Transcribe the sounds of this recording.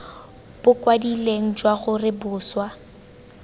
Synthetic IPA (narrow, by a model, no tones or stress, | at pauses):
b̥ʊkʼwadileŋ̩t͡ʃʼwaɣʊrɪbʊːswa